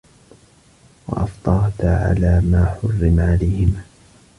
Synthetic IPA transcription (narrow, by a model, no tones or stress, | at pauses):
wɑ̰ʔɑft̪ˤɑɾˤt̪aʕa̰laːmaːħʊrːɪmaʕalajhɪma